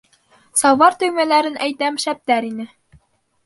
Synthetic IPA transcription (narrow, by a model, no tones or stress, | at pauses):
sɑwvɑɾt̪ɵ̆jmælæɾɘnʔæjt̪æmʃæp̚t̪æɾinɘ